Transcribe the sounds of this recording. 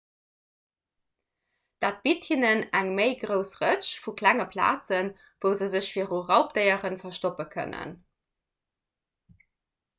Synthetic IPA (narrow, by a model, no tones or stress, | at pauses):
d̥aːt̚b̥ithinənæŋmeɪɡʁəʊsʁət͡ɕfuklæŋəpʰla̰ːt͡sən | vəʊzəzəɕfiːɐʁuʁɑʊp̚d̥əɪəʁənfɐʃtopəkʰə̰nə̰n